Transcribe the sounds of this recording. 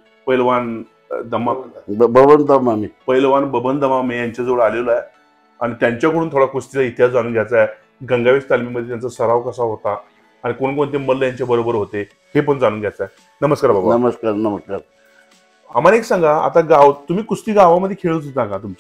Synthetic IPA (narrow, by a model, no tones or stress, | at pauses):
pəjlʋan | d̪əmabəbənd̪amamipəjlʋanbəbənd̪əmamejaɲt͡ɕjad͡zəʋəɭaleloaje | aɽ̃it̪jaɲt͡ɕjakəɽuːnt̪ʰoɽakusʈit͡sait̪jad͡zaɽ̃uːɡʱjat͡sae | ɡə̃ŋɡaʋest̪almiməd̪ʱːjet̪jant͡səsəɾaʋkəsaɦot̪aː | ɽ̃ikoɳkoɳt̪̬eməllːəjaɲt͡ɕabəɾobəɾɦot̪e | hepəɳd͡zaɽ̃uːnɡʱjat͡sae | nəməskaɾbabanəməskaɾnəməskaɾ | amaneksãŋɡʱaa̰t̪aɡawt̪umiːkusʈ̪iːɡaʋaməd̪ʱːjekʰeɭət͡sud͡z̪ãɡat̪umt͡ɕḁ